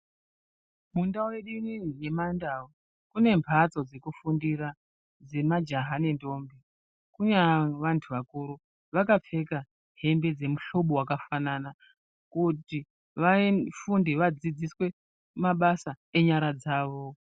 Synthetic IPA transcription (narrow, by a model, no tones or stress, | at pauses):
mundaowe̞ɗinije̞mandao | kune̞mpʰat͡so̞d͡ze̞kufundiɾa | d͡ze̞mad͡ʒaɦanendo̞mbe | kuɲaʋantʰuʋakuɾu | ʋakap͡fe̞ka | ɦe̞mbe̞d͡ze̞muɬo̞ɓowakafanana | kuti | ʋafundiʋad͡zid͡ziswe̞ | maɓasa | e̞ɲaɾad͡zaːʋo̞